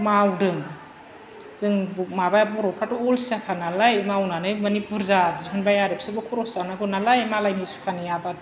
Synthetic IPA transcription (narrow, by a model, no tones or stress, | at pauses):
mawdɯŋ | z̥ɯŋbumabajabɔɾɔkʰatuɔlsiakʰanalajmawnanɯjmɐnipuɾzazipʰɯnbajaɾep̚sɯbɯkʰɔɾɔsanaɡɯnalajmalajnisu̥kʰanijaba